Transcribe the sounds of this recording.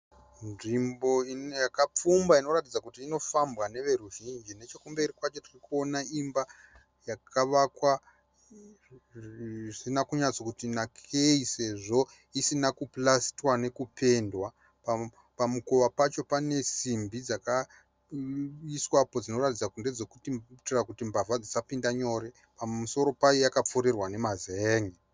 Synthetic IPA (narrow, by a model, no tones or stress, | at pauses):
nʐimbo̞injakap͡fumbaino̞ratid͡zakutiːno̞fambwane̞ʋe̞ɾuʒind͡ʒine̞t͡ʃe̞kumbeirikwat͡ʃo̞tirikuo̞naimba | jakʰaʋakwa | sinakuɲat͡so̞kutinakʰeise̞ʐo̞ | isinakuplastwane̞kupʰe̞ndwa | pa | pamukoʋapat͡ʃo̞pane̞simbid͡zaka | iswapod͡zino̞ratid͡zakunde̞d͡zo̞kutitirakutimbʱavad͡zisapindaɲo̞ːɾe̞ | pauso̞ɾo̞pajojakap͡fuɾirwane̞mazeːŋi